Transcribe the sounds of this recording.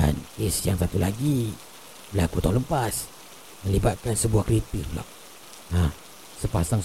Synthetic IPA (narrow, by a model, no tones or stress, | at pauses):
a̰nisjaŋsat̪ulaɡi | bəlakut̪ɔləmpas | məlibat̪̚kansəbuahkɾit̪irla̰ʔ | ah | səpasaŋ